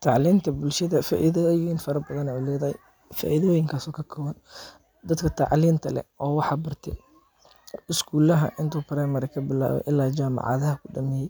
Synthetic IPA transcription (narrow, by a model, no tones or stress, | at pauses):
t̪ʰɑʕliːnt̪ʰɐbʊlʃɐðɐfa̰ːʔiðɐjjɪnfɐɾɐbɐðɐnɐʊlɛːðɐhɛ̰j | fa̰ːʔiðɔːjɪŋkʰaːsɔːkʰɐkʰɔwɐn | d̪ɐd̪kʰɐt̪ʰɑʕliːnt̪ʰɐlɛ̰ʔɔːwɑħɑːbɐrt̪ʰɛ̰ | ɪskʰuːlɐɦɐ̰ʔɪnt̪ʰuːpɾɛːmɐɾɛkʰɐbɪla̰ːwɔ̰ʔɪlːaːd͡ʒaːmɑ̰ʕɑ̰ðɐɦɐkʰʊɖɐmɛːjɛj